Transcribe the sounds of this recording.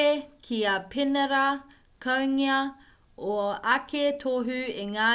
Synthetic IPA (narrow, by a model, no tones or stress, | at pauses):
ekʰiapʰenɐɾɐkʰɐwŋiɐ | oɐketʰoɦʉeŋaː